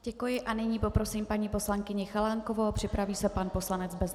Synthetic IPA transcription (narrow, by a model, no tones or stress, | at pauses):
ɟ̥ɛkujɪʔanɪɲiːpo̞pɾo̞siːmpaɲiːpo̞slaŋkɪɲɪxalaŋko̞vowpr̝̥ɪpɾaviːsɛpanpo̞slanɛt͡sbɛz